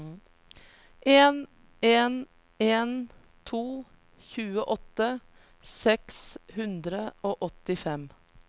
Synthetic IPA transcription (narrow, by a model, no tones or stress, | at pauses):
ʔeːn | eːn | eːn | t̪ʰuː | çʉːəʔɔt̪ːə | sɛkshʉnd̪ɾəoːʔɔt̪ɪfɛm